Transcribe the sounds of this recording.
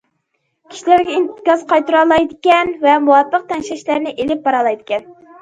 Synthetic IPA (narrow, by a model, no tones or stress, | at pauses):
kʲʰi̥ʃilæɾɡʲɛint̪ɪkʲɑzqʰɑjt̪ɨɾɑlˠɑjd̪ɪkʲɛnvɛmuwɑpʰːəq̚t̪ʰɛnʃɛʃlæɾnɪʔelɪp̚bɑɾɑlˠɑjd̪ɪkʲɛn